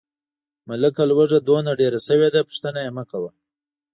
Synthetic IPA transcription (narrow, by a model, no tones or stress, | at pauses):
maləkalwəʐad̪onaɖeɾasəwed̪apʊ̥ʂt̪ənajemakawa